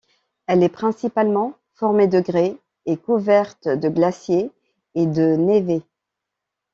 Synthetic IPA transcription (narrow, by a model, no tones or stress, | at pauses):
ɛlɛpχɛ̃sipalmɑ̃ | fɔʁmed̪əɡʁe | ekuvɛʁt̪d̪əɡlasjeː | d̪əneve